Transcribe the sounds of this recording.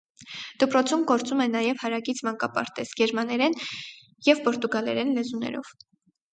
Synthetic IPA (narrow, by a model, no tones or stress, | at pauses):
d̪̥əpɾɔt͡sʰumɡɔɾt͡sumɛnɑjɛvhɑɾɑɡit͡sʰmɑŋkɑpɑ̰ɾt̪ɛz̥ɡɛɾmɑnɛɾɛn | jɛvpɔɾt̪uɡɑlɛ̰ɾɛnlɛzunɛ̰ɾɔ̰v̥